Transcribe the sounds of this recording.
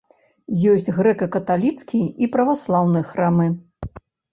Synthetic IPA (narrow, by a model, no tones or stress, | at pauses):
jɔsʲt͡sʲɣɾɛkɐkɐt̪alʲit̪skʲiipɾɐvaslˠawnɨjxɾamɨ